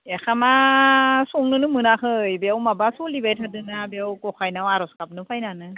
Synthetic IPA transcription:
exʰama | sɔŋnɯnɯmɯnakʰɯjbeawmabasulibajtʰadɯnabeawkɔkʰajnawaɾɔskap̚nɯpʰajnanɯ

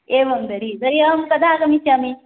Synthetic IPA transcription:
eːʋɐmd̪ɐɾid̪ɐɾiɐɐmkɐd̪ʱaːkɐmisjaːmi

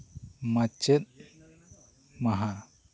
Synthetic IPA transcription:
mat͡ʃɛt̪̚ | maɦa

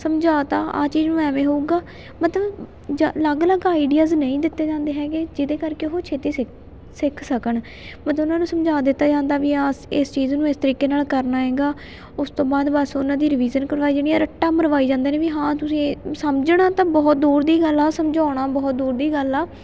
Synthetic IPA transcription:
səmd͡ʒaːt̪aːʔa̰ːt͡ʃiːd͡ʒnũːɛːmẽːɦouːɡaː | mət̪ləb | d͡ʒləɡləɡaːɪɖijaːznəĩːd̪ɪt̪ːeːd͡ʒãːnd̪eːɦɛ̃ːɡed͡ʒɪd̪eːkəɾkeːɦoːt͡ʃʰeːt̪eːsɪ | sɪkʰsəkəɳ | mət̪ləʊnãːnũːsəmd͡ʒaːd̪ɪt̪ːaːd͡ʒãːnd̪aːʋiːaːsest͡ʃiːznũːeːst̪əɾiːkeːnaːlkəɾnaːɦɛ̃ːɡaː | ʊst̪õːbaːd̪bəsʊnãːd̪iːɾɪʋiːd͡ʒənkəɾʋaːiːd͡ʒeniːɛːɾəʈːaːməɾʋaːiːd͡ʒãːnd̪eːnẽːʋiːɦãːt̪ʊsĩːsəmd͡ʒɳãːt̪ãːbɔːt̪̚d̪uːɾd̪iːɡəlaːsəmd͡ʒaːɽ̃aːbɔːt̪̚d̪uːɾd̪iːɡəlaː

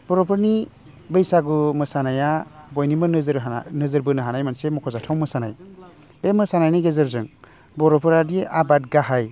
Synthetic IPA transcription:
b̥ɔɾɔpʰɯɾni | bɯjsaɡɯmɯsanajabɔjnimɯnɯzɾɦnɯzɯɾbɯnɯɦanajmansemɔkʰɔzatʰawmɯsana̰j | bemɯsanajniɡezɯɾzɯŋ | bɔɾɔpʰɯɾadiʔabat̚ɡaɦaj

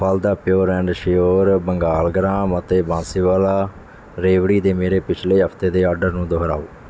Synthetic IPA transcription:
pʰald̪aːpɪjoːɾɛ̃ːɳɖʃɪjoːɾbəŋɡaːlɡɾãːmət̪eːbãːsiːʋaːlaː | ɾeːʋɽiːd̪eːmeːɾeːpɪt͡ʃʰleːɦəpʰt̪eːd̪eːɔːɾɖəɾnũːd̪oɦɾa̰ːoː

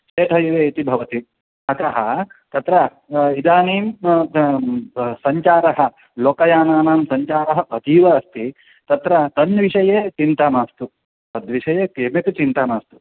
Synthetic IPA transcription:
t͡ʃeːt̪ɦɐjiʋeːit̪ibʱɐʋɐt̪i | ɐk̪ɐɦɐt̪ɐt̪ɾɐ | id̪aːniːm | sɐɲt͡ʃaːɾɐɦɐ̆ | loːkɐjaːnaːnaːmsɐɲt͡ʃaːɾɐɦɐʔɐt̪iːʋɐɐst̪i | t̪ɐt̪ɾɐt̪ɐnʋiʂɐjeːt͡ʃint̪aːmaːst̪u | pɐd̪ʋiʃɐjeːkeːmet̪ut͡ʃint̪aːmaːst̪u̥

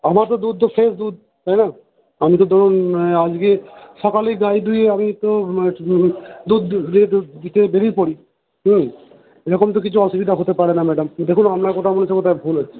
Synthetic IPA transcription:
amaɾt̪od̪ud̪̚t̪ofʰesd̪ud̪̚ | t̪ajna | amit̪̬od̪ʱɔɾunad͡ʑɡeʃɔkaliɡajd̪ujeamit̪o | d̪ud̪ɾiʈd̪it̪ebeɾijpoɽi | ɦ̩ | eɾɔkomt̪̬okit͡ɕʰuɔʃubid̪ʱaɦot̪epaɾenamɛɖamd̪ekʰunamɾakoʈ̪ʰamonet͡ɕʰɔkot̪abʱulɦoe̥

